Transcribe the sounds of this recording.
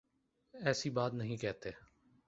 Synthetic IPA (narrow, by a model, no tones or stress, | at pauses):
ɛːsiːbaːt̪nəɦĩkɛːt̪eː